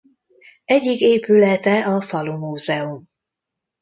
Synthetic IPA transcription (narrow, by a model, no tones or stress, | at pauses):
ɛɟːikeːpylɛt̪ɛɒfɒlumuːzɛum